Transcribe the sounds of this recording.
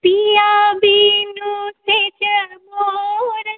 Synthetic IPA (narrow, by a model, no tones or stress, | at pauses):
piabiːnuseːt͡ʃəmoɾ